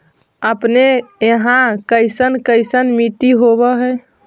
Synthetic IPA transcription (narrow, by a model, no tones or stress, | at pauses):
əpneeɦãkəjsənkəɪsənmiʈiɦoβəɦə